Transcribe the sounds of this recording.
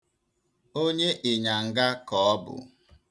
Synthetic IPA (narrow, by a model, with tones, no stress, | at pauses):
o˦ɲe˦ʔɪ˨ɲa˨ŋ̩˨ɡa˦kɔ˨ɔ˦bʊ̰˨